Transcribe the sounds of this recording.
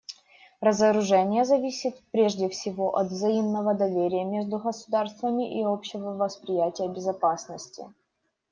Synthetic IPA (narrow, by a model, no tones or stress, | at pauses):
rəzəɾʊʐɛnʲɪjəzɐvʲisʲɪt̪pɾʲeʐdʲɪfsʲɪvo̞ʔɐt̪vzɐimnəvəd̪ɐvʲeɾʲɪjəmʲeʐd̪ʊɣəsʊd̪arst̪vəmʲɪʔɪopɕɪvəvəspɾʲɪjætʲɪjəbʲɪzɐpasnəsʲtʲɪ̰